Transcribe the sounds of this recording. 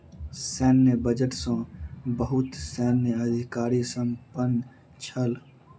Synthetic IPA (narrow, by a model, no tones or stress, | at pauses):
sɛːnːebəd͡ʒəʈsə̃bəɦut̪sɛnːeəd̪ʱikaːɾisə̃mpən | t͡ʃʰəl